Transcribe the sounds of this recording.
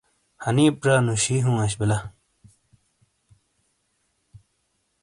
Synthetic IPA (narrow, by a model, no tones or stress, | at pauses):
hɐniːpɾaːnuɕiɦũɐɕ̬bilɐ